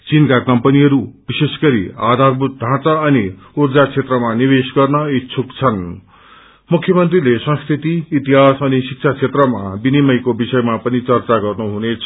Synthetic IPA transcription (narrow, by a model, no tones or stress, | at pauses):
t͡sinkakʌmpʌniʌɾub̥isesɡʌɾḭa̰d̪ʱarbut̪̚d̪ʱãt͡sʌʌni | urd͡zat͡sʰet̪rʌmanibesɡʌrnʌit͡sʰukt͡sʰʌn | mukʰjʌmʌnt̪rilesʌ̃skʰit̪iːt̪iɦasʌnisik̚t͡sʰat͡sʰet̪rʌmabinimʌjkobisʌjmapʌnit͡sʌrt͡saɡʌrnuɦunet͡sʰʌ